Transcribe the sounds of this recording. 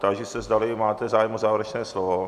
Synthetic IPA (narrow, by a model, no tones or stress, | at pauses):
t̪aɡʒɛsɛzd̪alɪmaːt̪ɛzaːjɛmozaːvɾɛt͡ʃnɛːslovo